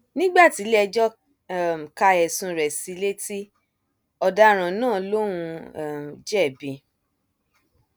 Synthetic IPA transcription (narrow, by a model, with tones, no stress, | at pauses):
nĩ˦ɡ͡ba˦˨ti˨˦lɛ˧d͡ʒɔ˦˨ | m˨ka˧ɛ˨sũ˧ɾɛ˨si˧le˦ti˦ | ɔ˧da˧˦ɾ̃ã˨˦nãː˦˨lõ˦ũ˧˨ | d͡ʒɛ˦˨bĩ˧